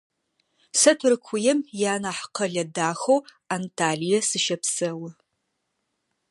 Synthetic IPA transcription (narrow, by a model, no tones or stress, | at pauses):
sɐtʰɨrɨkʷʰʊjɛmjaːnaːħqʰɐɮɐdaːxow | antʰaːɮijɛsɨʃɐpsɐwɐ